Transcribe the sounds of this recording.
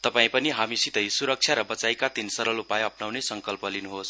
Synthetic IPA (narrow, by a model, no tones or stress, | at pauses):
t̪ʌpaĩpʌniɦamisit̪ʌjsuɾʌk̚t͡sʰjaɾʌbʌt͡sajkat̪insʌɾʌlupajʌpnawnesʌŋkʌlpʌlinuɦos